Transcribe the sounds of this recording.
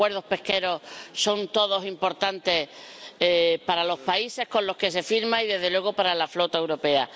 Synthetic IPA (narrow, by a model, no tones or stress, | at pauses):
we̞ɾðo̞hpe̞hke̞ɾo̞hso̞nt̪o̞ð̞o̞simpo̞ɾt̪ant̪e̞h | paɾalo̞hpaise̞hkõ̞nlo̞hke̞s̬e̞fiɾmãiðe̞zðe̞lwe̞ɣ̞o̞paɾalaflo̞t̪aewɾo̞pe̞a